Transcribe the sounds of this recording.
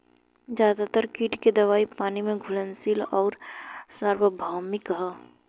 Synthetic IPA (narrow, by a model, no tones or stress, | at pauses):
zjaːd̪at̪əɾkiːʈked̪ɐʋaːipaːnimẽɡʱʊlənsiːlɔːɾsəɾwəbʱaːmɪkɦə